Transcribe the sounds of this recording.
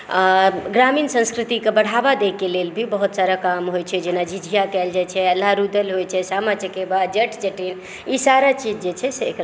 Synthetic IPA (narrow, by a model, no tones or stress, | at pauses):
aɡɾaminsə̃nskɾit̪ikebəɽ̤abad̪ekelelbʱibəɦut̪saɾakamɦojt͡ʃʰɛd͡ʒenad͡ʒid͡ʒʱijakɛld͡ʒajt͡ʃʰɛəlːaɾud̪əlɦojt͡ʃʰɛsamat͡ʃəkebad̪d͡ʒəʈʰt͡ʃəʈin | isaɾat͡ʃid͡ʒd͡ʒet͡ʃʰɛseːkɾa